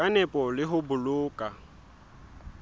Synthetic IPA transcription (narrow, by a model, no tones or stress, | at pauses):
anɛpʼɔlɪɦʊbʊlʊːkʼa